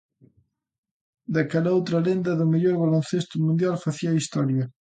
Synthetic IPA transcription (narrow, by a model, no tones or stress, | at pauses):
d̪akalɐowt̪ɾɐlend̪ɐðʊmeʎɔɾβalon̟θest̪ʊmund̪jalfaθiɐist̪ɔɾjɐ